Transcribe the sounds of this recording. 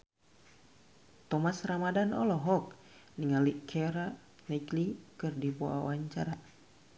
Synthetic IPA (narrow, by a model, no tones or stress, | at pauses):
t̪ɔmasramadanɔlɔɦɔk̚ | niŋalikʰɛɾa | naklikɨrdiboa̰waɲt͡ʃaɾa